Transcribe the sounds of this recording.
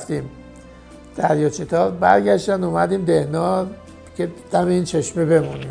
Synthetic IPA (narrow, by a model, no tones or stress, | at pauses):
ft̪iːm | d̪̥æɾjɒt͡ʃʰet̪ʰɒːɾbæ̰ɾɡæʃd̪ænd̪umæd̪iːmd̪ehnɒː | cʰe̞d̪̥æmeiːnt͡ʃʰe̞ʃmebe̞muniːm